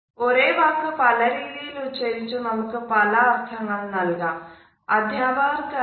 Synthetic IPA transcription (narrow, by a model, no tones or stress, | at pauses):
oɾeːbaːkːɨpɐlɐɾiːliːlut͡ʃːɐɾit͡ʃumɐmukupɐlɐːɾt̪ʰɐŋɡɐɭnɐlɡaː | ɐd̪ʱjaːbaːɾkɐ